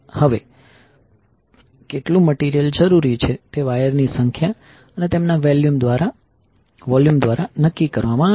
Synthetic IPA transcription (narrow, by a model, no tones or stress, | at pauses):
həʋe | keʈlũməʈiɾijəld͡ʒəɾuɾit͡ʃʰet̪eʋajəɾnisəŋkʰja | ənet̪emnaʋeljumd̪ʋaɾa | ʋɔljumd̪ʋaɾanəkːikəɾʋamã